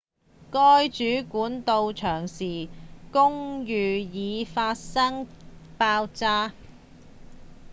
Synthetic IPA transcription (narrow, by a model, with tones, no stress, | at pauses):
kɔː˥jt͡ʃyː˨˥kuː˨˥nt̪o˧wt͡ʃʰœː˨˩ŋsiː˨˩kʊ˥ŋjyː˨jiː˨˧faː˧t̚sɐ˥ŋpaː˧wt͡saː˥